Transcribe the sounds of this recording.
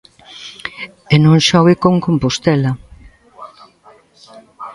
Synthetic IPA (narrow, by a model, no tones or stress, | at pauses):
enõŋʃɔɣɪkoŋkompost̪ɛlɐ